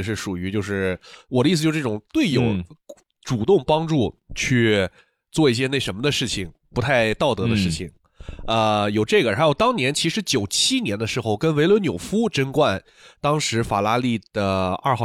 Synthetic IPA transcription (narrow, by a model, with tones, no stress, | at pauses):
ʂ̬ɻ̩˥˩ʂu˨˩y˧˥t͡ɕjo˥˧ʊʂɻ̩˥˩wɔ˨˩ə˦˥i˥˩s̬̩˧˥˧ʈ͡ʂʈ͡ʂʊ˨˩ŋt̪we˥˩ɪjo˨˩ʊ | ʈ͡ʂu˨˩t̪ʊ˥˩ŋpɑ˥ŋʈ͡ʂu˥˩t͡ɕʰy˥˧ | t͡swɔ˥˧i˥˩ɕ̬jɛ˥ne˥˩ɪʂə˧˥nmə˧d̪ə˧ʂɻ̩˥˩t͡ɕʰi˨˩ŋpu˧˥t̪ʰa˥˧ɪt̪ɑ˥˩ʊt̪ɤ˧˥d̪ə˧ʂɻ̩˥˩t͡ɕʰi˨˩ŋ | ə˧jo˨˩ʊʈ͡ʂɤ˥˩ɡə˩xa˧˥ɪjo˨˩ʊt̪ɑ˥ŋnjɛ˧˥nt͡ɕʰi˧˥ʂɻ̩˧˥t͡ɕjo˨˩ʊt͡ɕʰi˥njɛ˧˥nd̪ə˧ʂɻ̩˧˥xo˥˧˩ʊkə˥nwe˧˥ɪlwə˧˥njo˨˩ʊfu˥ʈ͡ʂə˥nkwa˥˩n | t̪ɑ˥ŋʂɻ̩˧˥fa˨˩la˥li˥˩d̪̥ə˩a˞˥˧xɑ˥˧